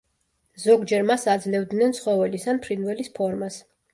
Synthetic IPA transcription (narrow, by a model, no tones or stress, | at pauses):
zɔɡd͡ʒɛɾmasad̪zlɛvd̪nɛnt̪sʰχɔvɛlisanpʰɾinvɛlispʰɔɾmas